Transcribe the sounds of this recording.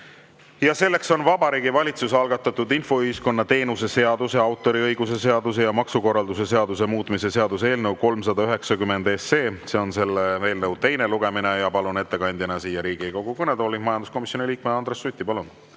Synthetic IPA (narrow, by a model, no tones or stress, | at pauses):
jɑse̞lːe̞kso̞nvɑbɑɾiːɡivɑlʲit̪susɑlɡ̥ɑt̪ːˑɑt̪ːˑud̪info̞yhisko̞nːɑt̪e̞ːnuse̞se̞ɑd̪̥use̞ɑwt̪ˑːo̞ɾiɤjɡ̥use̞se̞ɑd̪use̞jɑmɑksuko̞rːɑld̪use̞se̞ɑd̪̥use̞muːt̪ːˑmisese̞ɑd̪̥use̞ːlnəwko̞lmsɑd̪̥ɑyɦe̞ksɑkymːe̞nd̪esːe̞ːse̞o̞nse̞lːee̞ːlnəwt̪e̞jne̞luɡ̥e̞mine̞jɑpɑlune̞t̪ːe̞kɑnʲd̪jɑnɑsiːjːɑɾiːɡ̥iko̞ɡ̥ukɤned̪oːlːimɑjɑnd̪usko̞misjo̞nilʲiːk̚meɑnd̪ɾesːut̪ʲːˑipɑlun